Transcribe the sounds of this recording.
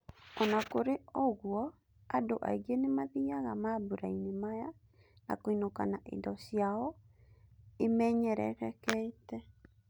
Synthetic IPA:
ɔnakoɾeɔɣwɔ | adoʔa̰iɣenemaðiaɣamabuɾainemaja | na̰koinokanaʔḛndɔsjaɔ | emɛːɲɛɾɛ̰ɣɛkɛetɛ

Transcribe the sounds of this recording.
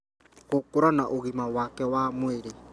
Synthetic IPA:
ɣokoɾanaʔoɣimawakɛwamweɾe

